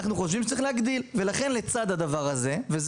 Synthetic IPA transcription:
χnuχoʃvimʃet͡sʁiχleaɡd̪ilve̞laχe̞nle̞t͡sad̪ad̪avaʁaze̞vez

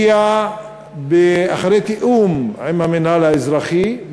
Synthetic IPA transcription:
a | beaχaɾejt̪iʔuma̰mamenalaezɾaχi

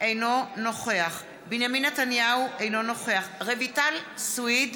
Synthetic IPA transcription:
ʔe̞jno̞no̞χe̞aχ | binjaminːetanjauʔejno̞no̞χe̞aχʁevitalswid

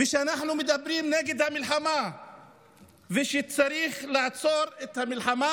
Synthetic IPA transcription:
veʃeanaħnumed̪abɾimneɡed̪hamilħama | veʃet͡saɾiχlaʕt͡so̞ɾet̪hamilħama

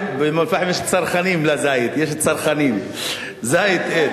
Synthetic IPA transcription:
bemalfaħemjeʃt͡saɾχanimlazajit̪jeʃt͡saɾχanim | zajit̪ʔe

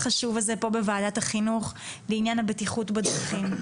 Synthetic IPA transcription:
χaʃuvalzepo̞bevaːdathaχinuχleinjanhabetiχutbad̪ʁaχim

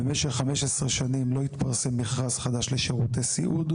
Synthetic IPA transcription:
emeʃeχːameʃesʁeʃanimlo̞it̪paʁsemːiχʁazχad̪aʃleʃeʁut̪esḭʔud

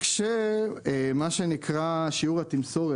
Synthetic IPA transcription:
kʃe | maʃenikʰʁaʃiuʁhat̪imso̞ʁe

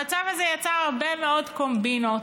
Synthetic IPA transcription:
at͡savazejat͡saaʁbemeodkombino

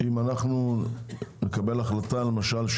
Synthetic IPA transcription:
imanaχnu | nekabe̞laχlatalemaʃalʃ

